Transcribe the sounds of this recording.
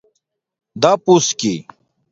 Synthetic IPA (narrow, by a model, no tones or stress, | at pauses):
d̪apuski